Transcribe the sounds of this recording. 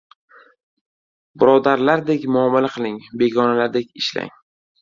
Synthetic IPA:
bʊɾɒd̪aɾlaɾd̪e̞kʲmʊamːalaqʰɨlˠɪŋbe̞ɡʲɒnalaɾd̪e̞kʲɪʃla̰ŋ

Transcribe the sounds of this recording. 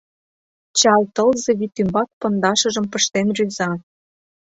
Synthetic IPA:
t͡ɕɑlt̪ɤ̆lzeβit̪ːymbɑk̚pɤ̆nd̪ɑʃɤ̆ʒɤ̆mpə̆ʃt̪enryzɑ

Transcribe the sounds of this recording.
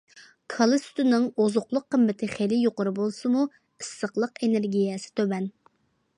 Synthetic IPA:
kʰɑlˠɨst̪unɨŋozʊχlˠʊqːəmːɪt̪ʰɪχelɪjoqʊɾɨbolˠsɨmu | ɨsːəχlˠəqeneɾɡʲijɛsɪ̥t̪ʰøbɛn

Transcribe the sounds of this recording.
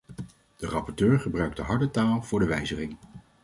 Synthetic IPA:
d̥ərɑpɔɹtøːɹχəbrœɥk̚dəɦɑɹdətaːlˠv̥ʊːɹdəʋɛjzəχɪŋ

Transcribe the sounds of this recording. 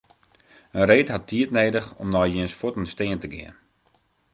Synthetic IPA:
ənreːtɦatːʰiətneːdəxɔ̰mnɔjjiənsfotənsteəntəɡɪ̰ən

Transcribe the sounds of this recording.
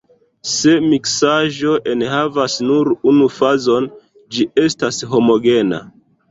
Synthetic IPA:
se̞miksaʒo̞ʔe̞nhavasnuɾunufazo̞n | d͡ʒie̞stasɦo̞mo̞ɡe̞na̰

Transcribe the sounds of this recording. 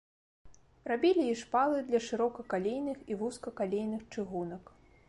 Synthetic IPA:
rabʲilʲiiʂpalˠɨd̪lʲɐʂɨɾɔkɐkalʲejnɨxivuskɐkalʲejnɨxt͡ʂɨɣunɐk

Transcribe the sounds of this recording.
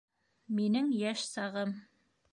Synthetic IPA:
minɘŋjæʃsɑʁɤm

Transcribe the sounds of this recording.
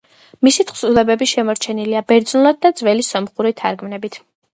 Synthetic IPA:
misit̪ʰχsulɛbɛbiʃɛmɔɾt͡ʃʰɛniliabɛɾd̪znulˠad̪̚d̪ad̪zvɛlisɔmχuɾit̪ʰaɾɡmnɛbit̪ʰ

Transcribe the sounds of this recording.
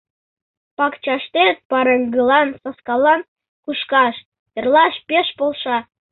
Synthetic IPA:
pɑkt͡ɕɑʃt̪et̪̚pɑɾəŋɡɤlˠɑnsɑskɑlˠɑn | kuʃkɑʃ | jə̆rlˠɑʃpʲeʃpolˠʃɑ

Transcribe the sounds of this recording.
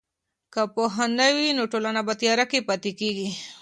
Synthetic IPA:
kapoɦanawinoʈolanabat̪ijɑɾakepat̪ekeɡi

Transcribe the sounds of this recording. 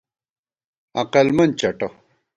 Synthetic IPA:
ɐqɐlmɐnt͡ɕɐʈɐ

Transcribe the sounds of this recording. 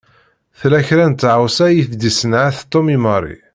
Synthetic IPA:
θlæçɾænt̪ːʕawsæjiθd̪isənʕaθt̪ˤːomiməɾˤḭ

